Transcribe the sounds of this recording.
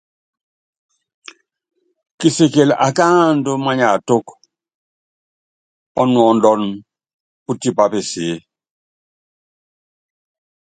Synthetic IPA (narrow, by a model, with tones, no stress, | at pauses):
ki˨se˨ke˨la̰˨ka˦ndo˦ma˦ɲa˨to˦k | ɔ˦nwɔ˨ndɔ˦n | u˦ti˨pa˨pe˨si˨˦